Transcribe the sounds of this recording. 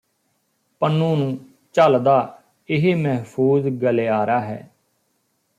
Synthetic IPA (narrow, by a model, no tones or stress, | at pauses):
pənːũːnũː | t͡ʃəld̪aː | ɪɦeːməɦpʰuːzɡəleaːɾaːɦɛ̰ː